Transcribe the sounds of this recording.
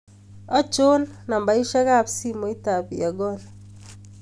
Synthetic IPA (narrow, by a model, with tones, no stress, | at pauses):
ɔ˦t͡ʃo˦nna˨mba˨i˦ʃa˦ɣa˦˨βsi˦mo˨˦i˦ta˨βḭ˨a˨ɡɔ˦na